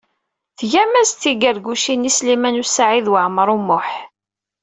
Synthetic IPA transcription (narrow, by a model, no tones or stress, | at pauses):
θʝæmæst̪ːiɡəɾɡuʃinislimænusaʕiðwəʕməɾˤumːʊħ